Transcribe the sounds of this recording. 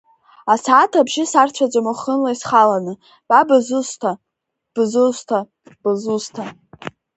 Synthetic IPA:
asatʰabʒɪsart͡ɕʷʰad͡ʒʷʼamaχənlaisχalanɨ | b̥abazɨsʷtʰa | b̥ɨzɨsʷtʰa | b̥ɨzustʰa

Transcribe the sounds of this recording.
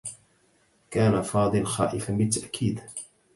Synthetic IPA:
kaːnafɑːd̪ˤɨlxa̰ːʔɪfanbɪt̪ːaʔkʰiːd̪

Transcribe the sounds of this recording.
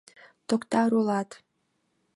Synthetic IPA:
t̪okt̪ɑɾulɑt̪

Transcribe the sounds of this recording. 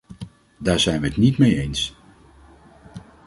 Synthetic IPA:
daːɹz̥ɛjnʋəətnitmejejns

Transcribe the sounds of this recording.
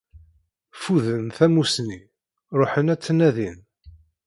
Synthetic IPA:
fuðənθæmusni | ɾˤoħənæt͡sːənæðin

